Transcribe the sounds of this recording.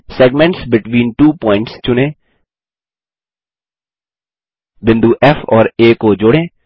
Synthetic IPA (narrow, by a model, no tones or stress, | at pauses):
sɛːɡmɛ̃ɳʈsbɪʈwĩːnʈuːpɔ̃ːɪ̃ɳʈst͡ʃʊnẽː | bɪ̃nd̪uʔɛfɔːɾeːkod͡ʒoːɽẽː